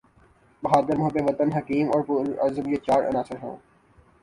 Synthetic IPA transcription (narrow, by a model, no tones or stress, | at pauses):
bɐɦaːd̪ɪɾmʊɦt̪eʋɐt̪ənɦɐkiːmɔːɾpuɾɐ̰ɾzəbjet͡ʃaːɾʔɐ̰naːsɪɾɦõ̰ː